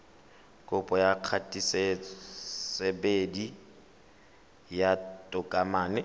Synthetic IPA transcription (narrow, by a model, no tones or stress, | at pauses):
kʼʊpʼɔjaq͡χʰatʼise | sebedi | jatʼʊkʼamaːnɪ